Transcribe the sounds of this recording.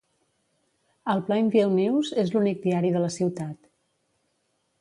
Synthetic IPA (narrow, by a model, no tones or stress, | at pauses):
əlˠplaiɱfielˠniwzezlunik̚d̪iaɾiðələsiwt̪at̪